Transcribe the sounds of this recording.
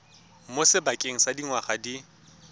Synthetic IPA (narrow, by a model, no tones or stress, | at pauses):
mosɪbakʼeŋ̩sadiŋwaχadi